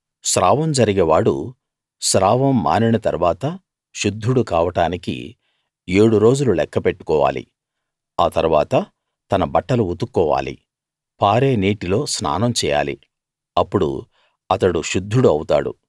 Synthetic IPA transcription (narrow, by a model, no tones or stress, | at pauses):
ʃɾaːʋɐmd͡ʒɐɾiɡeːʋaːɽṵ | ʃɾaːʋɐmːa̰ːninɐt̪ɐ̰ɾʋaːt̪ɐ | ʃud̪ʱːuɽukaːʋɐʈaːnikḭ | eːɽuɾo̞ːd͡ʒululɛkːɐpeʈːu̥kɔːʋa̰ːlḭ | aːt̪ɐɾuʋa̰ːt̪ɐ | t̪ɐnɐbɐʈːɐluut̪ukːɔːʋa̰ːlḭ | paːɾe̞ːniːʈilo̞ːsna̰ːnɐmt͡ʃɛːja̰ːlḭ | ɐpːuɽṵ | ɐt̪ɐɽuʃud̪ʱːuɽuɐwut̪a̰ːɽṵ